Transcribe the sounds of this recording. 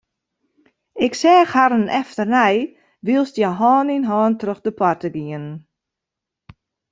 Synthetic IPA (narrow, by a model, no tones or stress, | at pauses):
ɪksɛːxhaɾənɛftərnɛj | ʋiəlˠstjaɦɔːninɦɔːntrøxdəpʰartəɡiən